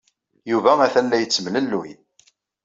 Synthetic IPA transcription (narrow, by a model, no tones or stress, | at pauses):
juvæmæθælːæjət͡sːəmləlːuj